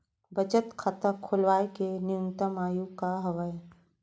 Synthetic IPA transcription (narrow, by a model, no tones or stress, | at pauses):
bət͡ʃət̪kʰət̪əkʰʊlʋaːekenɪʊnt̪əmaːjukaɦɐʋəj